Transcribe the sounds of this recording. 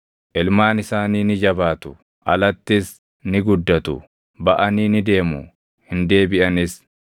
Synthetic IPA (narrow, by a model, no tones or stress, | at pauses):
ʔɪlmaːnɪsaːniːnɪd͡ʒɐbaːt̪ʊ̥ | ʔɐ̰lɐt̪ːɪs | nɪɡʊd̪ːɐt̪ʊ̰ | bɐʔɐniːnɪd̪e̞ːmʊ | hɪnd̪e̞ːbɪʔɐnɪs